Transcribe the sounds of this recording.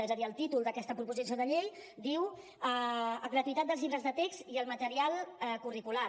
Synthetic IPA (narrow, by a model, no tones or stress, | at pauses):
ezəðiəlˠt̪it̪ulˠd̪əkɛst̪əpɾupuzis̬oðəʎejd̪iw | əəɣɾət̪uit̪at̪̚d̪əlˠzʎiβɾəzðət̪ekst̪iəlˠmət̪əɾialˠɛkurikula